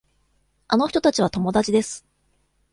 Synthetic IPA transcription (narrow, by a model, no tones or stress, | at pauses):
ano̞ç̥t̪o̞t̪at͡ɕiβ̞at̪o̞mo̞d̪at͡ɕid̪e̞sɨ̥